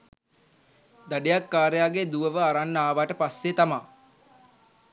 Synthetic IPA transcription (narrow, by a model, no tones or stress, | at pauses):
d̪aɖejakːaːɾejaːɡed̪uʋəʋəaɾanːaːʋaʈəpasːet̪amaː